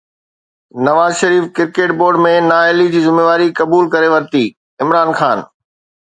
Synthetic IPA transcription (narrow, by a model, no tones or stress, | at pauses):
nɐʋaːzʃɐɾiːfkɪɾkeːʈ̚boːɾɖmẽnaːeːlid͡ʑiːzɪmeːʋaːɾikɐbuːlkɐɾeʋɐɾt̪iː | ɪmɾaːnxaːn